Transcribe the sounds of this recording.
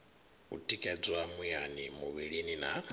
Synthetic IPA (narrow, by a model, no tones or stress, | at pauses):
ṵtʼikʼɛd͡zɔamujanimuβiɺinina̰